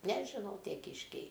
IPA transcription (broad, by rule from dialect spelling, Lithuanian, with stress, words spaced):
nʲɛʒʲɪˈnɐʊ ˈtʲiɛ ˈkʲiːʃʲkʲɛɪ